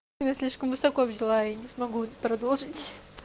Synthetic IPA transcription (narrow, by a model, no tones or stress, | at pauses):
mʲɛsʲlʲiʂkəmvɨsɐkoɐvzʲɪlˠainʲɪsmɐɡupɾɐd̪olˠʐɨtʲ